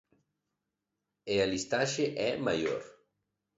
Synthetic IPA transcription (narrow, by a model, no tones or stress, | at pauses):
ealist̪aʃeʔɛmajo̰ɾ